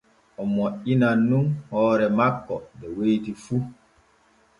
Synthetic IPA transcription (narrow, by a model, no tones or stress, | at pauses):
ʔɔmɔʔinanːunhɔːɾɛmakːɔbɛwejtifu